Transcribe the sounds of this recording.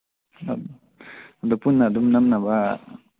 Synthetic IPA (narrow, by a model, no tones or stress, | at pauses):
ad̪ɔpunːad̪umnamnaba